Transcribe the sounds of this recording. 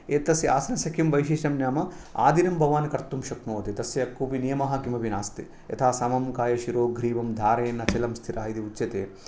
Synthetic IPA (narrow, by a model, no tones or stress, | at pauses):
eːt̪ːɐsjia̰ːsɐnɐsɐkʰjimʋɐjʃiːʃɐmnjaːmɐ | a̰ːd̪iɾɐmbʱɐʋaːnkɐɾt̪umʃɐknoːt̪it̪ɐsjɐɐkːuːpinijɐmɐɦɐkimɐʋinaːst̪i | jɐ̰t̪ʰaːsɐmɐmkaːjɐʃiɾoːɡɾiːʋɐmd̪ʱaːɾɐjːnːɐt͡ʃɐlɐmst̪ʰiɾaːid̪iut͡ʃːɐt̪eː